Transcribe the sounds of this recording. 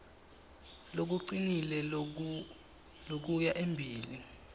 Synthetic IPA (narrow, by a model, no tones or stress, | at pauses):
lok̬uǀinilɛ | lok̬ujaʔembʱiːli